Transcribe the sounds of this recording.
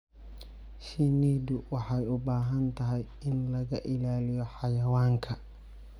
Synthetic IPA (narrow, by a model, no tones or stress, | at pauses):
ʃiniːd̪ʊwɑħɑjʊbaːɦɐnt̪ʰɐɦɛj | ɪnlɐɣɐʔɪlaːlɪjɔħɑjɐwaːŋkʰɐ